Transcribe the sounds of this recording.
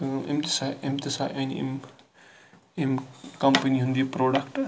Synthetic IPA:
emt̪i̥saemt̪isaʔɐnḭm | imkɐmpəniɦũnd̪ipɾoːɖɐkʈ

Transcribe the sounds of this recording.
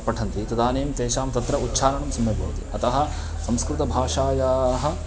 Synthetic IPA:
pɐʈʰɐnt̪it̪ɐd̪aːneːmt̪eːʃaːmt̪ɐt̪ɾɐʔutːʃʰaːnɐɳɐmsɐmjɐbʱɐ̰ːʋɐt̪ḭɐt̪ɐɦɐ̆ | sɐmskɾɪt̪ɐbʱaːʂaːjaːɦɐ̆

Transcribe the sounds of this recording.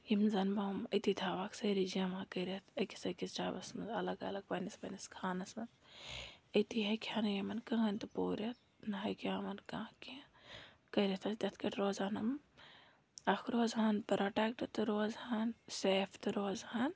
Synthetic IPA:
jimzɐnbɐmɐt̪it̪ʰaːʋaːksɐɾid͡ʒiɐmakɐɾʲɐt̪ɐkʲi̥sɐkʲist͡ʃaːbɐsmɐnzɐlɐɡɐ̰lɐɡ̚pɐnisbɐniskʰaːnɐsmɐnz | ət̪iɦɐkʲʰaːnɐjɐmɐnkɐɦɐnʲt̪ɨpoːɾʲɐt̪̚ | nɐɦɐkaːmɐnkãːki | kɐɾet̪ʰɐsd̪ʲɐt̪ʰkɐʈɾoːzaːnɐm | ɐkʰɾoːzɦaːnpɐɾɐʈakʈɨt̪ɨɾoːzhanseːpʰt̪ɨɾoːzhaːn

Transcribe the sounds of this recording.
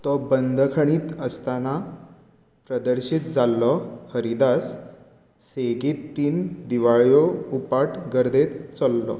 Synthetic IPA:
t̪ɔbənd̪ʱkʰəɳ̃iːt̪əst̪ana | pɾəd̪əɾɕit̪d͡zalːɔhəɾid̪as | seɡiːt̪ːiːnd̪iʋaɭjoupaʈɡəɾd̪et̪t͡sɔlːɔ

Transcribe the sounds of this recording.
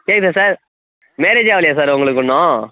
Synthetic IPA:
keːksasaːɾ | meːɾed͡ʒaːʋɐlɪjas̬aːɾʊŋɡɐɭɯkːʊɳːõː

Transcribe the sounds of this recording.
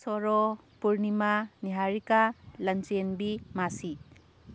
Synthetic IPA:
sɔɾɔ | puɾnimaniɦaɾikalɐnt͡ʃenbimasi

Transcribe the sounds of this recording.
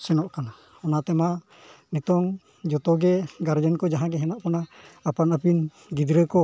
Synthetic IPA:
sɛnɔʔkana | ɔnat̪ɛma | nit̪ɔŋ | d͡ʒɔt̪ɔɡɛɡaɾd͡ʒankɔd͡ʒaɦãɡɛɦɛnaʔpɔnaːpanapin | ɡid̪ɾəkɔ

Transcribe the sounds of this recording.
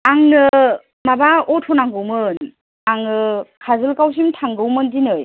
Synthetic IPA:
aŋnɯ | mabaɔtʰɔnaŋɡɯwmɯn | aŋnɯkʰazɯlkaws̬imtʰaŋɡɯwmɯndinɯj

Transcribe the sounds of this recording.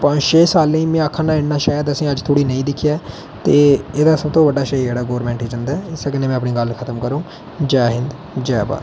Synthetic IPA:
pãːʃeːsaːlẽiːmɛ̃ːəkʰːãːnaːɪnnãːʃaːjəd̪əsĩːəd͡ʒt̪ʰoːɽiːnəĩːd̪ɪkʰːjaː | t̪eːeːd̪aːsəbt̪õːʋəɖaːʃəid͡ʒeːɽaːɡoːɾmɛ̃ːɳʈiːd͡ʒə̃nd̪aːɪsəkəneːmɛ̃ːəpniːɡəlkʰət̪əmkəɾõː | d͡ʒaːɦɪ̃nd̪ | d͡ʒɛːba̰ː

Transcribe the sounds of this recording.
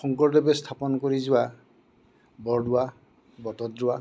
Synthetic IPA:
xɔŋkɔɹdɛbɛstʰapɔnɔkoɹizʊwa | bɔɹdʊa | bɔtɔtːʊwa

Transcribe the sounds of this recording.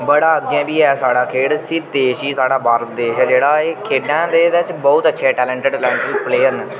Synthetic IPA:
bəɽaːəɡiãːbiːɛːsaːɽaːkʰeːɽsid̪eːʃiːsaːɽaːbaːɾd̪eːʃɛːd͡ʒeːɽaːeːkʰeːɖãːd̪eːʋɪt͡ʃbɔːʊt̪ətːʃʰeːʈɛːlɛ̃ːɳʈəɖlɛːɳʈəlpleːəɾnɛː

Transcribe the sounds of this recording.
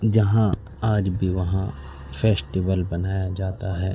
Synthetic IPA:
d͡ʒɐɦã | aːd͡ʒbʱiʋɐɦã | fʰeːsʈiʋəlbɐnaːjad͡ʒaːt̪aɦɛː

